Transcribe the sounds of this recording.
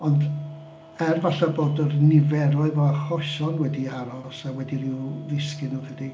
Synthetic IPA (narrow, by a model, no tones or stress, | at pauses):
ɔnd | ɛrvaɬaboːdərnɪvɛɾɔɨvɔaχɔʃɔnwɛdiaɾɔsawɛdiɾiwvɪskɪnukʰədi